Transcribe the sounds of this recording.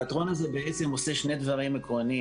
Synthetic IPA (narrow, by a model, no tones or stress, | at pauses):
t̪ʁo̞nazebeʔet͡se̞mo̞se̞ʃne̞d̪vaʁimekʁo̞ni